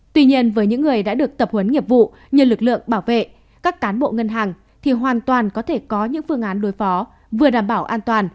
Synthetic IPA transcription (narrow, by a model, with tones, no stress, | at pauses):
t̪wi˧ɲi˧ənvəː˨˦jɲɨ̰˧˥ŋːɨ˨˩əjɗa̰ː˧˥ɗɨ˨˩ək̚t̪ə˨˩p̚hwə˨˦nŋi˨˩əp̚vṵ˧˨ | ɲɨ˧˩lɨ˨˩k̚lɨ̰˧˨əŋɓaː˧˩wvḛ˧˨ | kaː˦˥kːaː˨˦nɓo̰˧˨ŋə˧nɦaː˨˩ŋ | t̪ʰi˨˩ɦwaː˨˩nt̪waː˨˩nkɔ˨˦t̪ʰe˧˩kɔ˨˦ɲɨ̰˧˥ŋfɨ˧əŋʔaː˨˦nɗo˨˦jfɔ˨˦ | vɨ˨˩əɗaː˧˩mɓaː˧˩wʔaː˧nt̪waː˨˩n